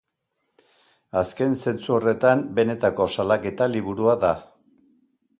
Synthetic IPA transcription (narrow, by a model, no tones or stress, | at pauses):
aske̞nse̞nt͡suore̞t̪ambe̞ne̞t̪ako̞salake̞t̪aliβuɾuaða